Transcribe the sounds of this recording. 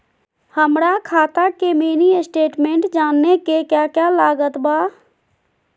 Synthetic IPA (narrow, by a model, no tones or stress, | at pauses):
həmɾakʰaːt̪akemeːniɪsʈeːʈmẽːɳʈd͡ʒaːnːekekjaːkjalaːɡət̪baː